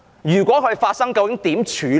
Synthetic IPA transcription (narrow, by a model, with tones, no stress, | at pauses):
jyː˨˩kwʷɔː˨˥kʰɵ˨˧faː˧t̚sɐ˥ŋkɐ˧wkɪ˨˥ŋt̪iː˨˥mt͡ʃʰyː˨˧